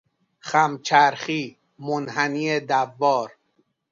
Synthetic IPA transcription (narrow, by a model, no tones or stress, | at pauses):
χæmt͡ʃʰæɾχiː | monhæniːed̪ævːɒːɾ